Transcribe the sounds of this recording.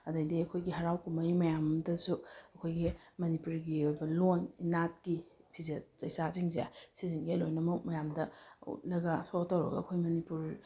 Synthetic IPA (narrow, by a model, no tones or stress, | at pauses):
ɐdɐjdiɐkʰojɡiɦɐɾawkumɐjmɐjamdɐsuɐkʰojɡimɐnipuɾɡiojbɐloninat̚kipʰizet̚zɐjsaziŋzḛsiziŋɡiɐlo̰jnɐmɐmɐjamdɐṵt̚lɐɡɐsoktɐwɾɐ̰ɡɐ̰ɐkʰojmɐnipuɾ